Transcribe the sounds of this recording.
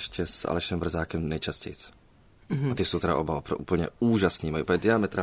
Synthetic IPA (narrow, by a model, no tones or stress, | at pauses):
ʃcɛsa̰lɛʃɛmvr̩zaːkɛmnɛjt͡ʃascɛ̰jt͡s | at̪ɪsowt̪ɛɾa̰ʔobavapɾoʔuːpl̩ɲɛuːʒasniːmajʔupɲɛdɪamɛt̪ɾʔa